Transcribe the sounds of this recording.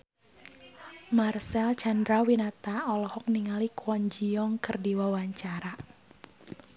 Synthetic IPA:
marsɛlt͡ʃandɾawinat̪aɔlɔhɔk̚niŋalikuɔɲd͡ʒiɔŋkɨrdiwawaɲt͡ʃaɾa

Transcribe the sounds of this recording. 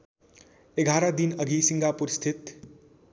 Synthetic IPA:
eɡʱaɾʌd̪inʌɡʱisiŋɡapuɾist̪ʰit̪

